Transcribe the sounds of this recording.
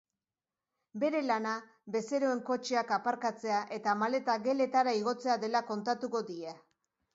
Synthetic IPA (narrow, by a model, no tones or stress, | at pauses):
be̞ɾe̞lana | be̞se̞ɾo̞e̞ŋko̞t͡ʃeakapaɾkat͡se̞aʔe̞t̪amale̞t̪aɣe̞le̞t̪aɾaiɣ̞o̞t͡se̞aðe̞lako̞nt̪at̪uko̞ðie